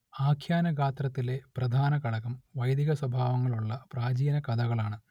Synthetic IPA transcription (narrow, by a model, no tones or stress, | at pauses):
aːkʰjaːnɐɡaːt̪rɐt̪ːile̞prɐd̪ʱaːnɐkɐɭɐɣɐmʋɐjd̪iɣɐswɐbʱaːʋɐŋːɐɭuɭːɐpraːd͡ʑijɐnɐkɐd̪ʱɐɣɐɭaːɳɨ